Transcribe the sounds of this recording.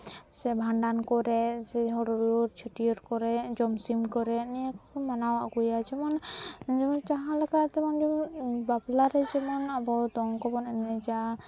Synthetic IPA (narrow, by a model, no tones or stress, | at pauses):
sɛbʱaɳɖankɔɾɛsɛɦɔɽɔɾɾt͡ʃʰəʈiɔʈkɔɾɛd͡ʒɔmsimkɔɾɛnijakɔkɔmanawa̰ɡujad͡ʒɛmɔnd͡ʒmɔnt͡ʃaɦãlɔkat̪ɛmɔnd͡ʒɔbablaɾɛd͡ʒɛmɔnabɔd̪ɔŋkɔbɔnɛnɛd͡ʒa